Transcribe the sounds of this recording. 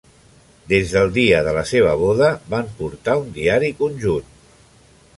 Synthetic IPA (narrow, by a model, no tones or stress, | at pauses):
d̪ezðəlˠd̪iəðələseβ̞əβoðəβampuɾt̪aund̪iaɾikunʲʒun